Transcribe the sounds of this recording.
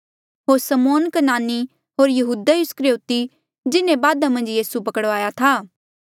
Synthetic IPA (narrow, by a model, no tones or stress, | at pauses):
ɦoːɾsəmoːnkɐnaːni | ɦoːɾjɐɦuːd̪ajʊskɾjoːt̪i | d͡ʒɪnẽbaːd̪amɐ̃nd͡ʒjiːsupɐkəɽʋaːjat̪ʰaː